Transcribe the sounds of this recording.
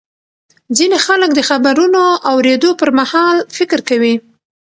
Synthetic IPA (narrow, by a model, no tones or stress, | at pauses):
zinexaləkd̪əxabaɾunoʔawɾed̪opəɾmahɑlfɪkɾkawi